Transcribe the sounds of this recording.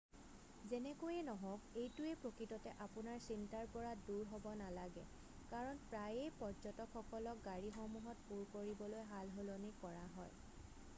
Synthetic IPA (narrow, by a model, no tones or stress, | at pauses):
zɛnɛkojɛnɔɦɔkejtʊɛpɹokɹitɔtɛʔapʊnaɹsintaɹpɔɹaduɹɦɔbɔnalaɡɛ̰ | kaɹɔnpɹajejpɔzɔtɔkxɔkɔlɔk̚ɡaɹixɔmuɦɔt̚puɹkoɹibɔlojɦalɦolonikɔɹaɦɔj